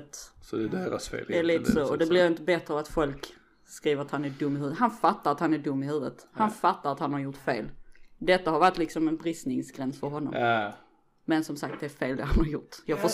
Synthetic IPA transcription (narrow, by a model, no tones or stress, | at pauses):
t̪sɔd̪ɛd̪eːɾa̰sfḛːlɛæliːt̪əsɔɔd̪ɛblɪɾɪnt̪əbɛt̪ɾəat̪fɔlk | skɾiːvəɾat̪hanæɖɵmːɪhʉ̟ːvət̪hanfat̪ːaɾat̪hanæɖɵmːɪɦhʉ̟ːvət̪hanfat̪ːaɾat̪hanhaɾjʊʈfeːld̪ɛt̪ːahaɾvaʈ̪ːlɪksɔmɛnbɾɪsnɪŋsɡɾɛnsfœɾɦɔnːɔ̰m | mɛnsɔmsak̚t̪̚d̪ɛæɾfeːld̪ɛ̰ɦanhaɾjʊʈːjɑːɡfɔʂ